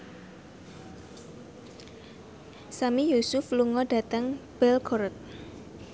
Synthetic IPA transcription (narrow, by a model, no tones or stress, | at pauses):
samijusʊfluŋɔɖ̥ä̤t̪əŋb̥ɛlkʰɔɾt̪̚